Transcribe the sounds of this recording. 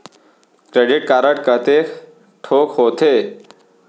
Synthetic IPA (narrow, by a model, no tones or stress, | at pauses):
kɾeɖɪʈ̚kaːɾəʈkət̪e | ʈʰoːkɦoːt̪ʰe